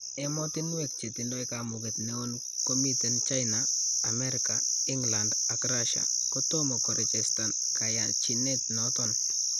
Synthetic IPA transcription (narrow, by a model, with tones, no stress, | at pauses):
ɛ˦mɔtɪ˦nwɛk̚t͡ʃe˨ti˨ndɔ˦ikamʊ˨ketne˦o˦n | ko˦mi˦te˨nt͡ʃa˦jnaːmɛ˦ɾɪkaɪ˦ŋlandakraʃa̰kotɔ˦mɔ˨kɔ˨ɾi˨t͡ʃɛsta˨n | kaja˨t͡ʃi˨ne˦t̚nɔtɔn